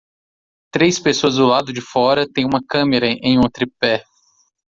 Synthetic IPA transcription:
t̪ɾejspesoɐzd̪ʊlad̪ʊd͡ʒɪfɔɾɐt̪ẽj̃ũmɐkɐ̃meɾɐʔẽj̃ũt̪ɾipɛ

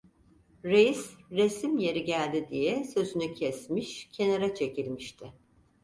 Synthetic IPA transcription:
ɾejisɾesimje̞ɾiɟælʲd̪id̪ijɛsø̞zynycʰɛsmiʃcʰe̞naɾat͡ʃʰe̞cʰilʲmiʃt̪ʰɪ

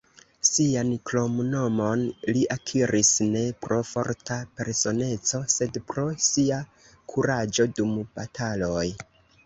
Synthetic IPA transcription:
sianklo̞mno̞mo̞nliʔakʰiɾʔisne̞pɾʔo̞fo̞ɾtʰape̞ɾso̞ne̞t͡so̞se̞dpɾo̞sia | kʰuɾad͡ʒo̞dumb̥atʰalo̞j

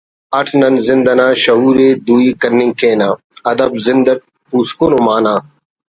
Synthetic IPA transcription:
ɐʈʰnɐnzɪnd̪ɐnaːɕɐɦuːɾeːd̪uːikɐɾnːĩŋɡkẽːnaːɐd̪ɐbzɪnd̪ɐʈ̚ | puːskonomaːnãː

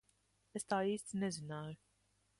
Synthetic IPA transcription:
est̪aːiːst̪ʲnɛzinaːjʊ

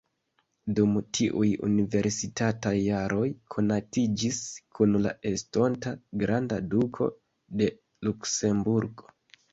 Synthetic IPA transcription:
dumtʰiʔujṵnive̞ɾsitatajːaɾo̞jkʰo̞natid͡ʒiskunla̰ʔe̞sto̞ntaɡɾandadukʰo̞̰ | de̞ | lukse̞mbuɾɡo̞̥

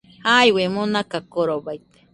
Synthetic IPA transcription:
hajwemonakakoɾobajt̪e̥

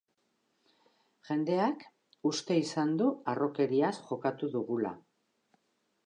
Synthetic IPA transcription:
ʝe̞nd̪e̞ak | ust̪e̞isand̪uaro̞ke̞ɾiasʝo̞kat̪uðuɣula̰

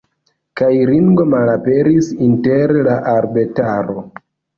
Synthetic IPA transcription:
kajɾiŋɡo̞malape̞ɾisinte̞ɾlaʔaɾbe̞taɾo̞

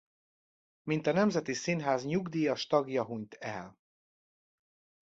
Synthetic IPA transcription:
mint̪ɒnɛmzɛt̪isinɦaːzɲuɡd̪iːjɒʃt̪ɒɡjɒɦuɲt̪ʰɛl

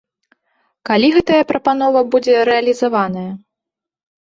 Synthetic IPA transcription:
kalʲiɣɛt̪ɐjɐpɾɐpanɔvɐbud͡zʲɛɾɛɐlʲizavanɐjɐ

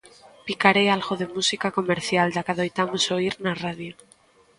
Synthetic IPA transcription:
pikaɾealɣoðemusikako̞meɾθjald̪akaðojt̪amosoiɾnaraðjo

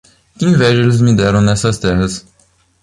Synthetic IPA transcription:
kɪĩvɛʒelɪzmɪd̪ɛɾɐ̃w̃nɛsɐst̪ɛɦɐs

